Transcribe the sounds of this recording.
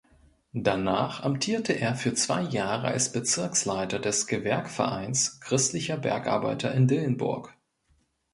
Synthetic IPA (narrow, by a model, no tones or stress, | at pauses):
d̥anaːχʔamtʰiːɐtʰəʔeːɐfyːɐt͡sv̥a̰ɪjaːʁəʔa̰lsb̥ət͡sɪɐkslaɪtɐdɛsɡ̥əvɛɐkfɛɐʔa̰ɪnskʁ̥ɪstlɪçɐbɛ̰ɐkʔa̰ɐba̰ɪtɐʔɪndɪlənbʊ̰ɐk